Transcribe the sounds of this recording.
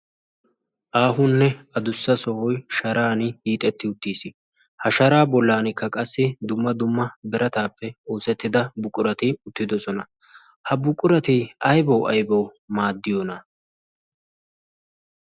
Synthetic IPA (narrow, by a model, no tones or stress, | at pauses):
ʔaːɦʊnːɛɐd̪ʊsːɐsɔhɔjʃɐɾaːnɪhiːt̪ʼɛt̪ːɪʊt̪ːiːsɪ | hɐʃɐɾaːbɔlːaːnɪkːɐkʼɐsːɪd̪ʊmːɐd̪ʊmːɐbɛɾʔɐt̪aːpːɛoːsɛt̪ːɪd̪ɐbʊkʼːʊɾɐt̪ɪʊt̪ːɪd̪ɔsɔnɐ | hɐbʊkʼːʊɾɐt̪iɐjbɐwʔɐ̰jbɐw | maːd̪ːɪjɔnɐ